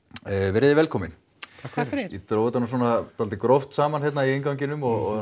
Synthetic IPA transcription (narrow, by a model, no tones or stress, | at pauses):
vɛɾɪðɪvɛlkʰɔːmɪn | it̪ɾoːwvɪt̪anasɔnat̪alt̪ɪkɾowft̪saːmançɛt̪naiɪnkawŋcɪnʏmɔɣɔ̰